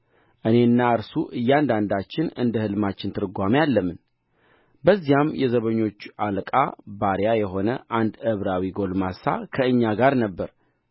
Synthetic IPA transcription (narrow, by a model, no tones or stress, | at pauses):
ʔɨne̞ɨnːaɨɾsuʔɨjːand̪and̪at͡ʃːɪnɨ̰nd̪əhɨlɨmat͡ʃːɪnt̪ʰɨɾɡʷamijalːəmːɨn | bəzːijamjɛzəβəɲːo̞t͡ʃːalkʼa̰baɾjajɛɦo̞nəʔand̪ɨβɾawiɡo̞lmasa̰kʰəɨɲːaɡaɾnəbːəɾ